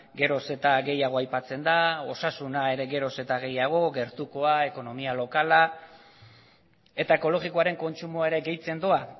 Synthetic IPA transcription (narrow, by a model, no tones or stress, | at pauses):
ɡe̞ɾo̞se̞t̪aɣe̞jaɣ̞o̞ajpat͡se̞nd̪ao̞sasunae̞ɾe̞ɣe̞ɾo̞se̞t̪aɣe̞jaɣ̞o̞ɡe̞ɾt̪uko̞ae̞ko̞no̞mialo̞kala | e̞t̪ae̞ko̞lo̞ɣiko̞aɾe̞ŋko̞nt͡ʃumoaeɾe̞ɡe̞jt͡send̪oa